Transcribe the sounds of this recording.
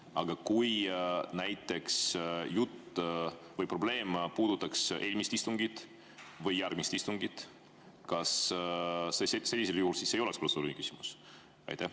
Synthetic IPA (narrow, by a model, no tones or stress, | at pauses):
ɑɡ̥ɑkujnæjt̪ːˑe̞ksjut̪ː | vɤjpro̞ble̞ːmpuːd̪̥ut̪ːˑɑksʔe̞lʲmist̪ist̪uŋɡit̪ | vɤjːærɡ̥mist̪ist̪uŋɡit̪ | kɑs | sese̞lʲːiseljuhːulsiːsejo̞leksprot̪suːlʲiniky̥simus | ɑ̰jt̪æh